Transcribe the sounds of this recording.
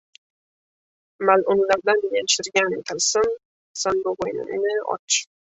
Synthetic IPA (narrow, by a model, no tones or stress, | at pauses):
malʔʊnlaɾd̪anbɪjanʃɪɾɡʲant̪ʰalsɪm | sanboʁojnɪ̰nɪɒ̰t͡ʃʰɪ̥